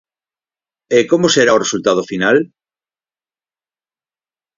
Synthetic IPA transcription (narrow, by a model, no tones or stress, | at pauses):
ekomoseɾaoresult̪að̞ofinal